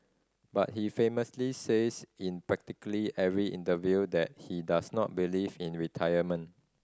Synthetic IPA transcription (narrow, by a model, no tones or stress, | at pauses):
ba̰t̚hifẽməslisesĩnpɹɛk̚tikəliʔɛvɹiʔḭ̃ntəvjudɛt̚hidasnɔ̰t̚bilivĩnɹitʰajəmə̃n